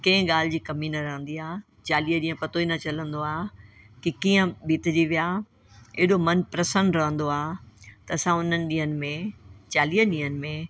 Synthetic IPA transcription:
kɐ̃ːɪ̃ɠaːl̤ɪd͡ʑiːkɐminɐɾɐɦə̃nd̪iaː | t͡ɕaːliːəɗĩːə̃pɐt̪oinɐt͡ɕɐlə̃nd̪oaː | kikĩːə̃ɓʱit̪ɪd͡ʑiʋijaː | eɦɪɗomɐnpɾɐsə̃nɖɾɐɦə̃nd̪oaːt̪ɐːsãʊn̤ənɪ̆ɗĩːɦənɪ̆mẽt͡ɕaːliːəɗĩːɦənɪ̆mẽ

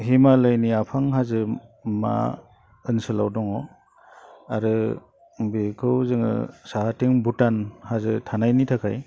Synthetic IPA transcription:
ɦimalɯjniapʰaŋɦazɯma̰ | ɯnsɯlawdɔŋɔ | aɾɯ | bekʰɯwzɯŋɯ̰saɦatiŋbutanhazɯtʰanajnitʰakʰaj

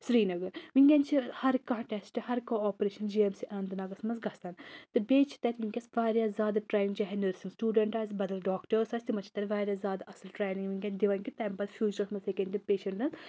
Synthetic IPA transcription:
sɾiːnɐɡɐɾʋiŋkʲɐnt͡ʃʰihɐɾkãːʈesʈɨhɐɾkoːɔːpɾeːʃɐnd͡ʒiemsiʔɐnd̪ɐnaːɡɐsmɐnsɡɐst̪aːnt̪ɨbeːt͡ʃʰi̥t̪ɐt̪ʲʋiŋkʲɐsʋaːɾjaːzʲaːd̪ɐʈɾeːniŋɡt͡ʃaːɦɛnəɾsinsʈjuːɖɐɳʈaːzbɐd̪ɐlɖaːkʈəɾsɐsʲt̪imɐt͡ʃʰi̥t̪ɐt̪ʋaːɾʲjaːzʲaːd̪aʔɐsɐlʈɾeːnĩŋɡʋiŋɡʲɐnd̪iʋaːnkit̪ɐmpɐsfʰjuːt͡ʃɐɾɐsmɐnsekʲɐnʲt̪ipeːʃɐɳʈnɐns

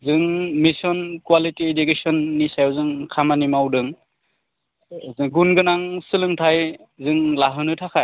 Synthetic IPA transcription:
zɯŋmisɔnkwalitiedukesɔnːisajɔzɯŋkʰamanimawdɯŋ | zɯŋɡunɡɯnaŋsɯlɯŋtʰaj | zɯŋlaɦɯnɯtʰakʰaj

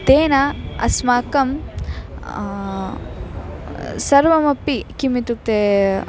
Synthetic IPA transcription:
t̪eːnɐɐ̰smaːkɐm | sɐɾʋɐmɐpːikimit̪uk̚t̪eː

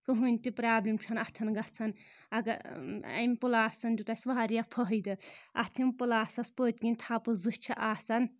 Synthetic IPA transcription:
kɨɦunʲt̪ipɾaːblimt͡ʃʰɐnɐt̪ʰɐnɡɐt͡sʰɐn | ɐɡɐɐ̰mpulaːsɐnd̪ʲut̪asʋaɦaɾijapʰɐɦɐjd̪ɨɐ̰t̪ʰimpulaːsɐspəːt̪kinʲt̪ʰapɨzɨst͡ʃʰɐʔaːsɐn

